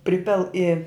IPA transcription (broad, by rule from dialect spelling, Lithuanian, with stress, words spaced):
ˈpʲrʲɪpʲɪlˠ ɪ